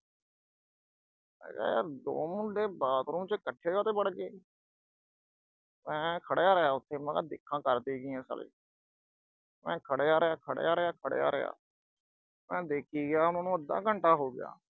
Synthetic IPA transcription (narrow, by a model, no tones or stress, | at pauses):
ɛ̰ːɡa̰ːjaːɾd̪o̰ːmʊ̃ɖeːbaːt̪ɾũːt͡ʃəkəʈʰːeːoːt̪eːbəɽɡeː | mɛ̃ːkʰəɽjaːɾəjaːʊt̪ʰːeːmãɡaːd̪ɪkʰːãːkəɾd̪iːɡiːɛ̃ːsə̰lḛː | mɛ̰̃ːkʰəɽejaːɾɪjaːkʰəɽḛjaːɾɪjaːkʰəɽ̰ja̰ːɾɪ̰ja̰ː | mɛ̃ːd̪eːkʰiːɡɪjaːʊnãːnũːəd̪ːã̰ːɡəɳʈaːɦoːɡɪja̰ː